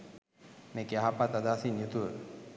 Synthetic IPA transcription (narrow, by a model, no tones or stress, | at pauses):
meːkeaɦapat̪ad̪aːsinjut̪uʋə